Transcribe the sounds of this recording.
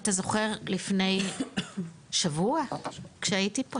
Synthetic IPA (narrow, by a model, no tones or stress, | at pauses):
tazo̞χe̞ʁlifne̞j | ʃavuakʃeaitipo